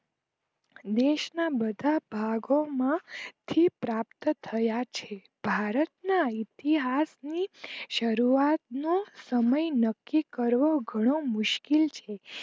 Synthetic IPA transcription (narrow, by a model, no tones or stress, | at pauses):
d̪eʃnabəd̪ʱabʱaɡomãt̪ʰipɾapt̪t̪ʰəjat͡ʃʰe | b̥ʱaɾət̪nait̪iɦasniʃəɾuat̪̚nosəməjnəkːikəɾʋoɡʱəɽ̃omʊʃkilt͡ʃʰe